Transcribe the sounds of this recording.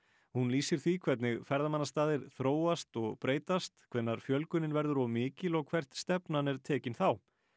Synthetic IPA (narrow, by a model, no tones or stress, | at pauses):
hunliːsɪɾ̥θikʰv̥ɛt̪nɪɣfɛɾðamanːast̪aːðɪɾ̥θɾoːwast̪ɔɣpɾeːjt̪ast̪kʰvɛnːaɾ̥fjœlkʏnɪnvɛɾðʏɾɔmɪːcɪlɔɣkʰv̥ɛr̥t̪st̪ɛpnanɛɾ̥t̪ʰɛːcɪnθaw